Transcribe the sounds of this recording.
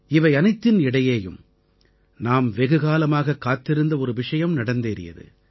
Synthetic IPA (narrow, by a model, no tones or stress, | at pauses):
ɪʋɐɪɐnɐɪt̪ːɪnɪɽɐjeːjɯ̰m | naːmʋɛɣɯɣaːlɐmaːɣɐkːaːt̪ːɪɾɯnd̪ɐɔɾɯʋɪʂɐjɐmnɐɽɐnd̪eːɾɪ̰jɐ̰ðɯ̰